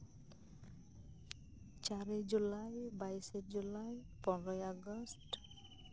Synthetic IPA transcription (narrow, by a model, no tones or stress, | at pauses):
t͡ʃaɹed͡ʒulajbajised͡ʒulajpɔnɹɔjaɡɔst